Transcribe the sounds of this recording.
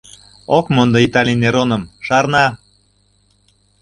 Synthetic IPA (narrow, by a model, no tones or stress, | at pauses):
okmond̪ɤ̆it̪ɑlʲineɾonə̆mʃɑrnɑ